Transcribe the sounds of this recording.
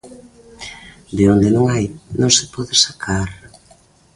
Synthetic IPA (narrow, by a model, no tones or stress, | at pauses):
d̪eond̪enõŋajnõŋsɪpɔðɪsakʰaɾ